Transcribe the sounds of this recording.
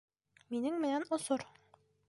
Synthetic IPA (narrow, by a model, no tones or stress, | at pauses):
minɘŋmɘ̆nænŏsoɾ